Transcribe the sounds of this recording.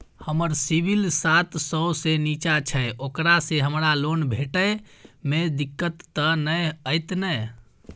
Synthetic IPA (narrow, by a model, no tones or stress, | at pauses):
həməɾsibʱilsat̪səsenit͡ʃat͡ʃʰəokɾaseɦəmɾalonbʱeʈəjmed̪ikːət̪ːənəjəjt̪nə